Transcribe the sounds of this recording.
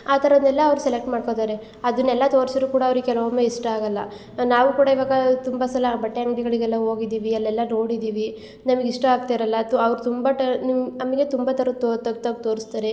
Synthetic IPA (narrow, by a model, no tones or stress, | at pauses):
aːt̪ɐɾɐd̪ɛlːɐːʋɾusɛlek̚ʈmaːɽko̞t̪aːɾe | ɐd̪unːɛlːɐt̪o̞ːɾsɐɾukuːɽaɐʋɾuɡekɛlomeiʂʈɐaːɡɐlːɐ̰ | naːʋuːkuːɽaiʋaːɡɐt̪umbɐsɐlɐbɐʈːeɐŋɡliɡɐɭiɡɛlːɐɦo̞ːɡid̪iːʋiɛlːɛlːɐno̞ːɽid̪iːʋi | nɐmɐɡiʂʈɐaːɡ̚t̪aɾɐlːɐt̪uɐʋɾut̪umbaʈɐninɐmɐɡe̞t̪umbat̪ɐɾɐt̪ot̪ɐɡt̪ɐɡt̪o̞ːɾist̪aːɾe